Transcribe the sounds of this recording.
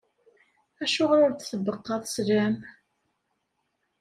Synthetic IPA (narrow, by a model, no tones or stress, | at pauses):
æʃʊʁɾʊɾt͡sθəbəqːɑðˤslæm